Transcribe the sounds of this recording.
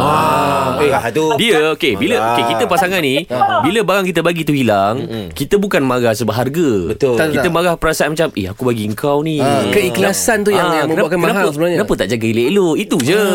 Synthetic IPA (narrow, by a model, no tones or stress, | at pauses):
aeat̪udiəokebiləokekit̪əpasaŋanːĩbiləbaɾaŋkit̪̬əbaɡit̪uhilaŋkit̪əbukanmaɣahsəbaɦarɡəbət̪okiəmaɣahpəɾasaanmat͡ʃamḛhakubaɡiəŋkawnikəiklasant̪ujaamknakankənaaəsəbənaɲnapət̪aʔd͡ʒaɡəileʔloit̪ud͡ʒə